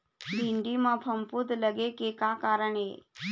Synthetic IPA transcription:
bʱiɳɖimãpʰəmput̪ləɡekekakaːɾəɳḛ

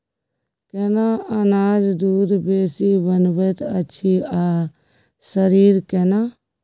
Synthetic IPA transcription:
kɛnaːɐnaːd͡ʒd̪uːd̪beːsiːbənbət̪ɐtːʃʰiaː | səɾiːɾkɛnaː

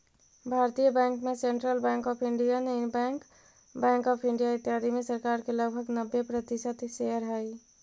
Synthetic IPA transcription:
bʱaːɾt̪ijəbɛ̃ŋkmẽsẽɳʈɾəlbɛ̃ːŋkɔːpʰɪɳɖijaneɪnbɛ̃ŋk | bɛ̃ːŋkɔːpʰɪɳɖijaɪt̪jad̪ʱimẽsəɾkaːɾkeləɡbʱəɡnəbːepɾət̪ɪsət̪ʃeɦəɾɦai

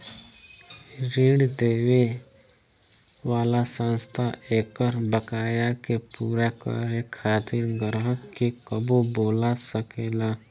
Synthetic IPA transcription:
ɾiːɽd̪eːwe | ʋaːlasə̃nst̪ʰaʔeːkəɾbəkaːjakepuːɾakə̰ɾekʰaːt̪ɪɾɡəɾɦəkːekəboboːlasəkeːlaː

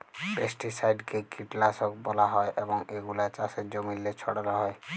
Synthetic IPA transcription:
pesʈisajɖkekiʈlasɔkbɔlaɦɔeʔebɔŋeɡulat͡ʃased͡ʒomilːet͡ʃʰɔɽɔɾɔɦɔe

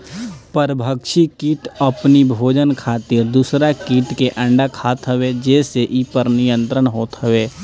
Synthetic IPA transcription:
pəɾbʱəkʃikiːʈɐpnibʱoːd͡ʒənkʰaːt̪ɪɾd̪uːsɾakiːʈkeʔə̃ɳɖakʰaːt̪ɦəʋed͡ʒɛːseʔipəɾnɪjə̃nt̪ɾəɽ̃ɦoːt̪ɦɐʋeː

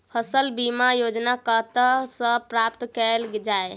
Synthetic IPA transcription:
pʰəsəlbimajod͡ʒnakət̪əsə̃pɾapt̪kɛld͡ʒae

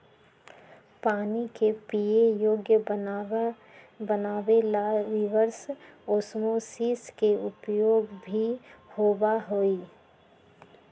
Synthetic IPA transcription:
paːnikepiejoːɡjə | bənaːweaʋɪʋəɾsosmosiːskeʊpjoːɡbʱihoːbaɦoːiː

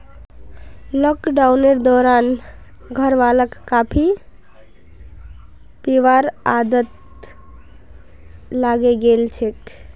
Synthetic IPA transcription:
lɔkɖawneɾd̪ɔɾan | ɡʱəɾʋaləkːapʰi | peʋaɾad̪ət̪ | laɡeɡelt͡ʃʰek

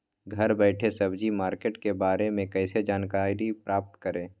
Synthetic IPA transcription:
ɡʱɐɾbɛːʈʰesɐbd͡ʒimaːɾkeːʈkebaːɾemẽkɛɪsed͡ʒaːnkaːɾipɾaːp̚t̪kəɾẽː

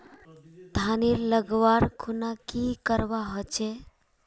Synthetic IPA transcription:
d̪ʱaniɾləɡʋaɾkʰunakikəɾʋaɦɔt͡ʃe

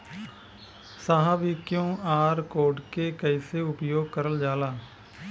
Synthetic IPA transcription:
saːɦabikjõːaːɾkoːɖkeːkəiseːʊpjoːɡ̚kəɾəld͡ʒaːlaː

